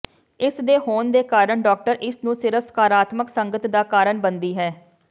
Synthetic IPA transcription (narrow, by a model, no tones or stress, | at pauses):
ɪsd̪eːɦoːnd̪eːkaːɾəɳɖɔːk̚ʈəɾʔɪsnũːsɪɾəfʰsə̥kaːɾaːt̪məksəŋɡət̪d̪aːkaːɾəɳbənd̪iːɦɛː